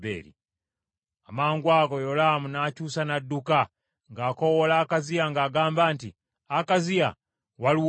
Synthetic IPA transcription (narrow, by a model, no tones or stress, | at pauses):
ḛlḭ | amaːŋɡwakojolamunaːt͡ʃusanaduka | ŋɡaːkowolaːkaziaŋɡaːɡaːmbaːntḭ | akazia̰ | walu